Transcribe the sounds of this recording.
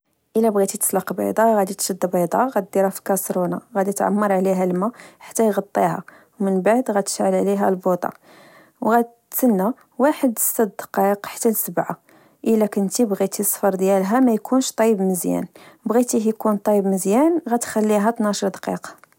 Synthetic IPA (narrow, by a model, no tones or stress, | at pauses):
ʔəlæbɣit̪it̪ə̥sˤlɑqbɑ̰jd̪ˤɑɣæd̪it̪ʃəd̪ːbɑd̪ˤɑɣæt̪̚d̪iɾæfilkɑsɾunɑɣæd̪it̪ʕa̰mːɑɾˤʕliɦæləmæħḁt̪ːæjɣɑt̪ˤːihæ̰ | wmənbaʕd̪ɣæt̪ə̥ʃʕəlʕliɦælbod̪ˤɑ̰ | wɣæ | sənːæ | waħəd̪əsæd̪d̪qiqħḁt̪ːælsəbʕa̰ | ʔəlækənt̪ibɣit̪isˤfɑɾˤd̪jælɦæmæjkʰunʃt̪ˤɑjəbməzjæ̰nbɣit̪ihjkunt̪ˤɑjəbməzjænɣæt̪xælːiɦæt̪nɑʃəɾd̪qḭq